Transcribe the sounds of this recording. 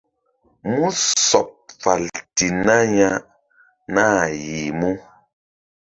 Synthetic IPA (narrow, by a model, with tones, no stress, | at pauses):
mu˦sɔ˨p̚fa˨lti˨na˦ɲa˦ | na˦˨ji˨mu˦